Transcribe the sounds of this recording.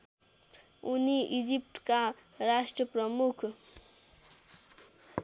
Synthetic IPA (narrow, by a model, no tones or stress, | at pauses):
uniid͡ʒipʈkaɾasʈɾəpɾəmukʰ